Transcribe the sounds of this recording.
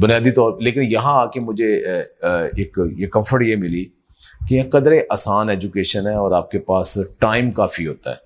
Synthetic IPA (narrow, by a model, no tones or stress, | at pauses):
bʊnijaːd̪it̪ɔːɾleːkɪnjɐɦãaːkemʊd͡ʒʱe | eːkjekɐ̃mfʰəɾʈjemɪli | kejãkɐd̪ɾeʔaːsaːnɛːd͡ʒʊkeːʃənɦɛɔːɾaːp̚kepaːsʈaːɪmkaːfiɦoːt̪a̰ɦɛ̰ː